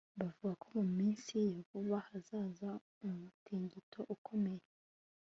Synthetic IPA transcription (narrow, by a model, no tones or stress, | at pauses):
bavuɡakʰo̞mumiːnsijavuβahazaːza | umutʰiːɲɟitʰo̞ʔukʰo̞me̞je